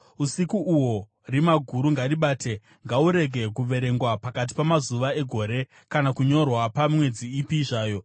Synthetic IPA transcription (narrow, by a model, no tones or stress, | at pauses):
usikuʔuwo̞ | rimaɡʱuɾuŋɡaɾiɓaːte̞ | ŋɡauɾe̞ɡʱe̞kuʋe̞ɾe̞ŋɡwapakat̬i̥pamazuʋae̞ɡʱo̞ːɾe̞ | kanakuɲo̞rwapamwe̞d͡ziːpiʐaːjo̞